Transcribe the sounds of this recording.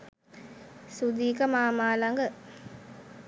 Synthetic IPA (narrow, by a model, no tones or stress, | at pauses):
sud̪iːkəmaːmaːlaŋɡə